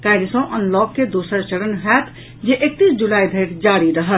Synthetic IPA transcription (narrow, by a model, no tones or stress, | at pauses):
kajlisə̃ʔənlɔkːed̪osəɾt͡ʃəɽənɦɛt̪ʰ | d͡ʒeʔek̚t̪isd͡ʒulaib̪ʱeɾd͡ʒaɾiɾəɦət̪̚